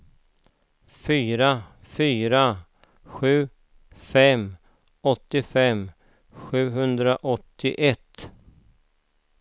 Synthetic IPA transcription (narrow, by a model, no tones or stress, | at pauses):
fyːɾa | fyːɾa | ɧʉ̟ː | fɛm | ɔt̪ːɪfɛm | ɧʉ̟ːɦɵnd̪ɾaʔɔt̪ːɪ̰ʔɛt̪